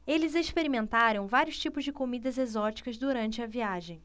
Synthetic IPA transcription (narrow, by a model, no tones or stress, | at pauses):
elɪzeʃpeɾimẽnt̪aɾɐ̃w̃vaɾiʊst͡ʃipʊzd͡ʒɪkomid̪ɐzezɔt͡ʃi̥kɐzd̪uɾɐ̃nt͡ʃɪɐviaʒẽj̃